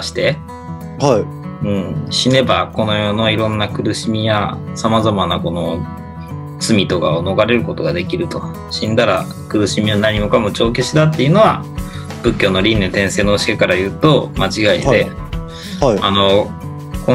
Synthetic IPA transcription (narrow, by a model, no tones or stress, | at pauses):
ɕi̥t̪e̞ | hai | ɯ̟̃ɴɕine̞bako̞no̞jo̞ːno̞iɾõ̞nːakɯ̟ɾɯ̟ɕimʲijasamazamanako̞no̞ | t͡sɨmʲit̪o̞ka̰ono̞ɡaɾe̞ɾɯ̟ko̞t̪o̞ɡad̪e̞kʲiɾɯ̟t̪o̞ | ɕĩnd̪aɾa | kɯ̟ɾɯ̟ɕimʲionaɲ̟io̞kamo̞t͡ɕo̞ːk̬ʲeɕid̪at̪ːe̞jɯ̟no̞βa | b̥ɯ̟kʲːo̞ːnoɾʲĩnːɯt̪ẽ̞ɰ̃se̞ːnoːɕi̥kekaɾajɯ̟ːt̪o̞mat͡ɕiɡaḭd̪e̞ | ano̞ | ko